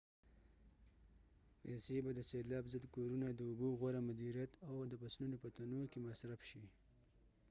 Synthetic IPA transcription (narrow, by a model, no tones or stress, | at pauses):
pesebad̪əselɑbzəd̪koɾunad̪əʊboɣwaɾamʊd̪iɾjat̪awd̪əpasnunopət̪anokemasɾafʃi